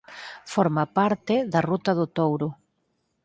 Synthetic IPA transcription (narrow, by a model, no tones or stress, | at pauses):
fɔɾmapaɾt̪ɪðɐrut̪ɐðʊt̪owɾʊ